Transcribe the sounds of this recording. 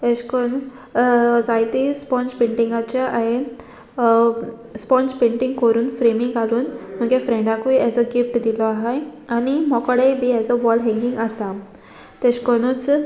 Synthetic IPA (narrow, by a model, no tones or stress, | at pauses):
ɛɕkɔn | d͡zajt̪ispɔ̃nspeɳʈiŋɡat͡ɕaʔaɦe | spɔ̃nspẽɳʈĩŋɡkɔɾuːnfɾemiŋɡaluːnm̤əɡefɾẽɳɖãkʋiɛd͡zəɡifʈd̪ilɔaɦajanimɔkəɽejbiɛd͡zəʋɔlɦɛ̃ŋɡiŋɡasa | t̪ɛɕkɔnət͡s